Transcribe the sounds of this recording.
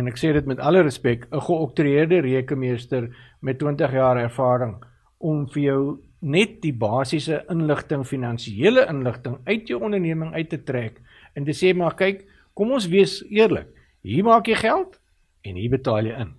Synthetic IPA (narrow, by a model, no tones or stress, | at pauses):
ɛnækseːdətmɛtɐləɾəspɛkəχəɔk̚tuɾiərdəɾiəkəmiəstərmɛtːwiəntəχjɑːɾærfɑːɾəŋ | ʔɔmfərjœw | nɛt̚dibɑːsisəʔənləχtəŋfinɐnsiiələʔənləχtəŋœɥtjəwɔndərniəməŋœɥtːətræk | əntəseːmɑkɐjkː | ɔmɔnsviəsiərlə̰k | ɦiːrmɑːkjəjχælˠt | ɛnɦiːrbətɑːlˠjəən